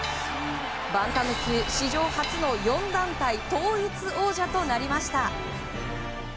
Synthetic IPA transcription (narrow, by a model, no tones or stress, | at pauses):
bãŋk̪amɯ̟kʲɯɕiʑo̞ːhat͡sɨno̞jõ̞nd̪ãnt̪ait̪o̞ːit͡sɨo̞ːʑat̪o̞naɾʲimaɕi̥t̪a